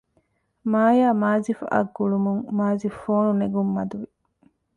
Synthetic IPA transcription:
maːjaːmaːzifɐ̰ɡːuɭumuŋmaːzifoːnuneɡumːɐd̪uʋi

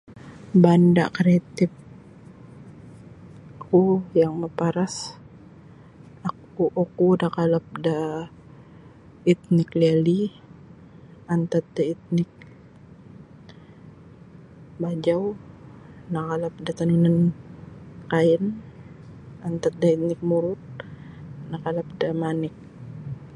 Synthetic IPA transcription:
banda̰kɾat̪ɪp̚ | akujaŋməpaɾas | ak | uʔokunakalap̚da | it̪̚nɪklali | ant̪at̪̚dait̪̚nɪk̚ | bad͡ʒaw | nakalap̚dat̪anunan | kaɛn | ant̪at̪̚dait̪̚nɪk̚muɾʊt̪̚ | nakalap̚damanɪk̚

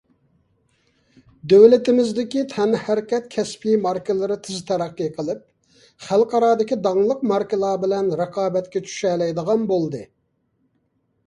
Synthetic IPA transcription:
d̪øwlɪt̪ɪmɪzd̪ɪkʲit̪ʰɛnhæɾkʲɛt̪̚kʲʰɛspʰimɑɾkʲɪlˠɨɾɨt̪ʰɪzɪt̪ʰɛɾæqːiqʰəlˠɨp̚ | χælˠqʰɑɾɑːd̪ɪkʲid̪ɑŋlˠəqmɑɾkʲɨlˠɑːbɪlɛnɾɑqʰɑːbɛt̪kʲɛt͡ʃʰy̥ʃɛlɛjd̪əʁɑnbolˠd̪ɨ

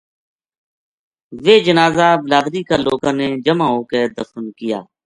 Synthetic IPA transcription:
ʋeːd͡ʒənaːzaːblaːd̪ɾiːkaːloːɡãːneːd͡ʒəmãːɦoːkeːd̪əfənkɪja̰ː

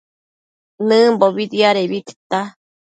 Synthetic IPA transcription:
nɨ̃mboβid̪iaɾeβit̪i̥t̪a

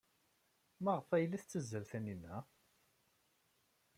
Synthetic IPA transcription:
məʁfæjlːæθt͡sːəzːəlθæninæ

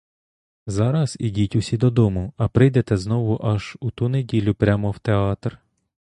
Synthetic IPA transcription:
zɑɾɐz̥idʲitʲʊsʲid̪ɔd̪ɔmʊɐpɾɪjd̪ɛt̪ɛznɔʋʊʔɐʒut̪unedʲilʲʊpɾʲamɔwt̪eɑt̪r

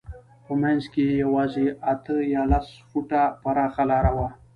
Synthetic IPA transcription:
pəmanzkejawɑzeat̪əjɑlasfuʈapaɾɑxalɑɾawa

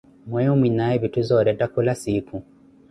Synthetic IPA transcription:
mwɛumwinaɛβituzɔɾɛdakulasikʰu

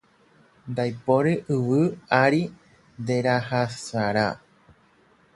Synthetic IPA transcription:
nd̪ajpoɾeʔɨʋɨaɾi | nd̪e̞ɾahasaɾa

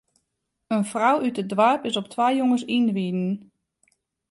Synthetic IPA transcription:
ənfrawytədʋaɹpɪsɔp̚tʰʋajjoŋəsinʋidn̩

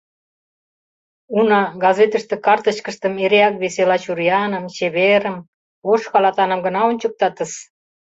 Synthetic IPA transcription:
unɑɡɑzet̪əʃt̪ĕkɑrt̪əɕkə̆ʃt̪ə̆meɾeɑkβeselɑt͡ɕurjɑnə̆mɕeβeɾəm | oʃkɑlɑt̪ɑnə̆mɡə̆nɑonʲt͡ɕək̚t̪ɑt̪ə̆ʃ

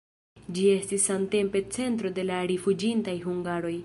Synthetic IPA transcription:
d͡ʒie̞stisːamte̞mpe̞t͡se̞nt̪ɾo̞de̞laɾifud͡ʒintajɦuŋɡaɾo̞j

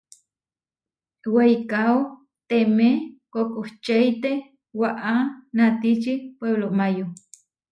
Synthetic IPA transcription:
wejkao | t̪emekokʼoht͡ʃejt̪e | waʔanat̪it͡ʃipweβloʔmajo

